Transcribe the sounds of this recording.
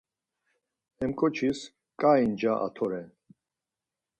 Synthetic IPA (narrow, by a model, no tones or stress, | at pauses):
ɛmkʼɔt͡ʃʰis | kʼaind͡ʒaʔa̰t̪ʰɔɾɛn